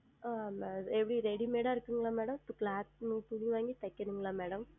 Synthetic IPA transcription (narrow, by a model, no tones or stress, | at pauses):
ameʋɽiɾeɽimeːɽaːɾkiŋɡlaːmɛːɽɐmt̪uklaːt̪̚nut̪uɽiʋaːŋɡit̪ɐkːeniŋɡlaːmɛːɽɐm